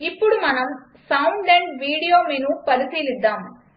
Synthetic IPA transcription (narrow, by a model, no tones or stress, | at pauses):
ipːuɽumɐnɐm | sɐwɳɖeɳɖʋiːɽijoːminupɐlut̪iːlid̪ːaːm